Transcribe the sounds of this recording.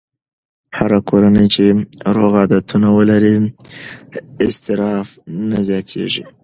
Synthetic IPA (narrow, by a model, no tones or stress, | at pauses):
haɾakʰoɾanəjt͡ʃeɾoɣɑd̪at̪unawəlaɾi | ɪst̪ɪɾɑfnazjɑt̪ʰḛʐḭ